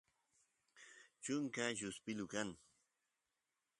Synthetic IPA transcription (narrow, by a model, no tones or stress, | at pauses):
t͡ʃʊŋkajʊspɪlʊkaŋ